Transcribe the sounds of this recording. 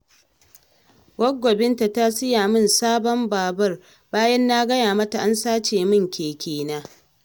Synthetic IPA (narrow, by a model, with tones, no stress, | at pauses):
wɐ˦ɡʷɔ˨bɪ˦nta˨ta˦sɪ˦jaː˨mɪ˦˨nsaː˦bɔ˦mbaː˨bɐ˦r | baː˦jɐ˦nːa˦ɡɐ˦jaː˨mɐ˦ta˨ʔa˦nsaː˦t͡ʃeː˨mɪ˦ŋkʲeː˨kʲʰeː˨naː˦